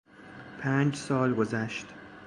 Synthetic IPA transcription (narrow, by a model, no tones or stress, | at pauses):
pʰæːnd͡ʒsɒːlɡozæʃt̪